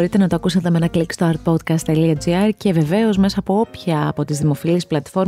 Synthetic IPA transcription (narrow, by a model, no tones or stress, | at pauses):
ɾit̪e̞nɐt̪oɐːkusɐt̪emenɐklikst̪oɐɾt̪̚po̞t̪kɐst̪eliɐd͡ziɐɾce̞ve̞ve̞o̞zme̞sɐːpoo̞pçɐ̰ːpo̞t̪izðimo̞filisplɐt̪fo̞ɾ